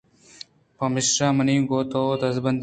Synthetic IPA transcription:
pɐmɪsɾaːmɐnĩːɡoːt̪od̪ɐzbɐnd̪

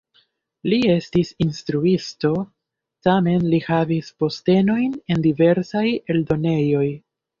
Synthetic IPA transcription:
lie̞stisinstɾuisto̞ | tame̞nlihavispo̞ste̞no̞jne̞ndive̞ɾsaje̞ldo̞ne̞jo̞j

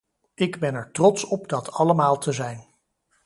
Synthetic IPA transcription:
ɪɡbɛnɛɹtrɔtsɔpdɑtɑləmaːlˠtʰəzɛjn

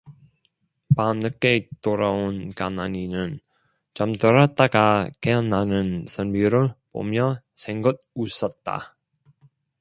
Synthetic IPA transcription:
pamnɯk͈ːe̞toɾaonkanaɲinɯn | t͡ɕʌmtʌɾat͈aɡakeʌnːanɯnsʰʌnbiɾɯɭpo̰mjʌ | sʰeŋɡʌd̚us͈ʌt̚t͈a̰

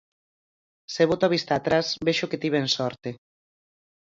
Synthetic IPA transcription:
seβot̪aβist̪aːt̪ɾasbeʃoket̪iβensɔɾt̪e

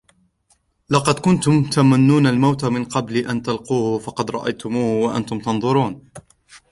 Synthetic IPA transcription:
lɑqɑd̪kʊnt̪ʊmt̪amanːuːnalmawt̪amɪnqɑbliːʔant̪alquːhʊfɑqɑd̪ɾˤɑ̰ʔa̰jt̪ʊmuːhwaʔa̰nt̪ʊmt̪ɑnðˤʊɾuːn

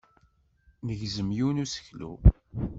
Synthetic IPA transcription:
nəʝzəmjiwnusə̥çlṵ

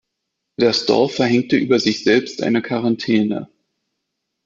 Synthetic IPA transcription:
d̥aɐsd̥ɔ̰ɐfɛɐɦɛŋk̚təʔyːbɐzɪçz̥ɛlpstʔa̰ɪnəkʰaʁantʰɛːnə̰

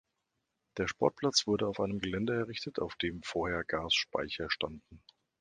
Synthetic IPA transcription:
d̥eːɐʃpɔɐt̚pʰl̥at͡sv̥ʊɐɾəaʊfʔaɪnəmɡəlɛndəɛɐʁɪçtətʰa̰ʊfd̥eːmfoːɐheːɐɡaːsʃpa̰ɪçɐʃtandn̩

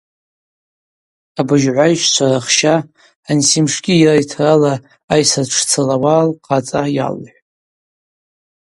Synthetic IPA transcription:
abɨʒʕʷajʃt͡ʃʷʰaraχʃaː | nsimʂɡʲiirajtʰralaː | jsaʈ͡ʂʰt͡sʰalawalqʼat͡sʼaja̰lħʷᶣ

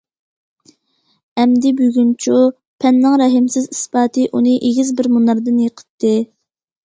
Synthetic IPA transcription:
ɛmd̪ɪbyɡʲynt͡ʃʰu | pʰɛnːɨŋɾɛɦɪmsɪzisbɑːt̪ʰɨʔunɨʔeɡʲizbɪɾmunɑɾd̪ɨnjəqʰə̥t̪ʰːɨ

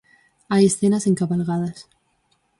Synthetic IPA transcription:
aje̞sθenase̞ŋkaβalɣaðas

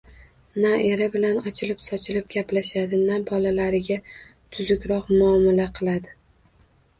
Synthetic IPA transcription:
nae̞ɾabɪlanɒt͡ʃʰɪlɪpsɒt͡ʃʰɪlɪp̚ɡʲaplaʃad̪ɪnabɒlalaɾɪɡʲa | t̪ʰʊzʊkʲɾɒqmʊɒmalaqʰɨlˠad̪ɪ

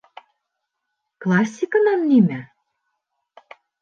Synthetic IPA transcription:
klɑsʲːikɤ̆nɑnːimæ

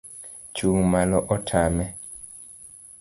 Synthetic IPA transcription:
t͡ʃuŋmalɔʔɔtʰamɛ

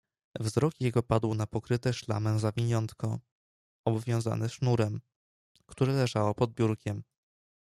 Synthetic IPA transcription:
vzɾɔkjɛɡɔpad̪wnapɔkɾɘt̪ɛʂla̰mɛzavʲiɲɔnt̪kɔ | ɔbvʲjɔ̃w̃za̰nɛʂnuɾɛm | kt̪uɾɛlɛʐawɔpɔd̪̚bʲjuɾkʲɛm

